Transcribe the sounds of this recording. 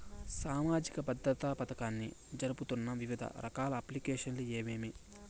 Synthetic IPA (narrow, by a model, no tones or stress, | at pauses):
saːmaːd͡ʒikɐbɐd̪ɾɐt̪apɐt̪ɐkaːnːḭd͡ʒɐɾuput̪unːɐʋiʋid̪ʱɐ̰ɾʔɐkaːlɐːplikeːʂɐnlueːmeːmi